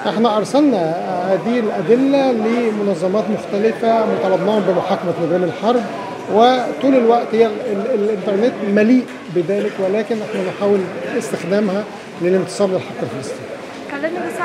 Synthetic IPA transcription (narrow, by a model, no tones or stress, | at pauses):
ʔeħnæʔɑɾˤsɑlnɑhæːd̪ilʔæd̪ɪlːælemonɑzˤːɑmɑːt̪moxt̪ælɪfæmæt̪ɑlɑbnɑːhombemoħaːkæmæmod̪iːmelħɑɾˤb | wet̪uːlelwæʔt̪hejːælʔɪnt̪ɑɾˤnet̪mæliːʔ | beðæːlekwælæːkɪnʔeħnænħaːwelest̪exd̪æːmhæ | lelent̪ɨ̥sˤɑːɾlelħɑqːelfelɑst̪ˤḭːn